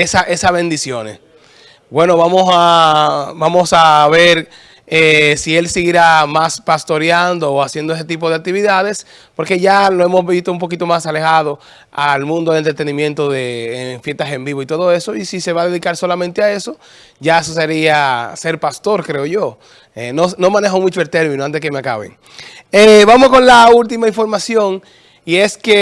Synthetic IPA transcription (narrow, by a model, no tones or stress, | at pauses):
esaʔe̞saβẽ̞nd̪isjo̞nes | bwe̞no̞βamosa | bamo̞saβe̞ɾ | esie̞lsiɣiɾamaspast̪o̞ɾjand̪o̞ːasjend̪oese̞t̪ip̬o̞ð̞e̞ak̚t̪iβiðaðe̞s | po̞ɾke̞ʝaloe̞mozβist̪oump̬o̞kit̪o̞masale̞xað̞o̞ | almũnd̪oelent̪ɾet̪e̞nĩmjẽ̞nt̪o̞ðeːɱfje̞st̪ase̞mbiβoit̪o̞ðo̞e̞so̞isise̞βaðe̞ðikaɾso̞lamẽnt̪eae̞so̞ | ʝaesos̬eɾiase̞ɾpast̪o̞ɾkɾe̞oʝo̞ | enono̞mãne̞xomwit͡ʃoelt̪e̞ɾminoant̪eekemeaka̰βḛŋ | eβamosko̞nlault̪imaiɱfo̞ɾmasjo̞ŋ | ie̞ske